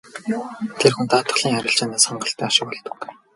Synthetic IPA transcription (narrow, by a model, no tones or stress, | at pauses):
t̪ʰerxunt̪aːt̪ə̆χɮiːŋæɾʲɪ̆ɬt͡ɕaːnaːsχaɴɢə̆ɬt̪æːaʃɪ̆k̚pɔɮt̪ə̆k